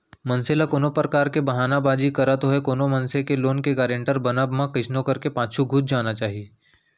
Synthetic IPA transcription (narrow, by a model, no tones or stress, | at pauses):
mɐ̃nselakoːnopɾəkaːɾkebɐɦaːnabaːd͡ʒikɐɾət̪ɦoɦekoːnomɐnsekeloːnkeɡaːɾẽɳʈəɾbɐnabmãkɪʃʰnõkɐɾkepaːʃʰuɡʱʊt̪̚d͡ʒaːnat͡ʃaːɦieː